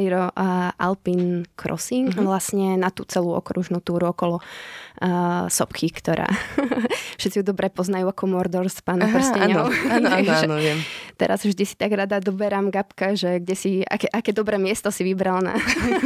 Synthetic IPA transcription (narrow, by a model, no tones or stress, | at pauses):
ɾiɾɔʔa̰lpinkɾɔ̰siʋlasɲɛnat̪ṵt͡sɛluɔ̰kɾuʒnut̪uːɾuɔkɔlɔ | sɔpkʰikt̪ɔɾa̰ː | fʃɛt̪t͡sijud̪ɔbɾɛpɔznajuakɔmɔɾd̪ɔɾspaːnpr̩scaɲɔɔ | ʒɛɔʋɪɛmt̪ɛ̰ɾa̰zvʒd̪isi̥t̪aɡɾad̪ad̪ɔbɛɾamɡapkaʒɛɡɟɛsia̰kɛʔakɛːd̪ɔbɾɛːmɪɛst̪ɔsiʋibɾalna̰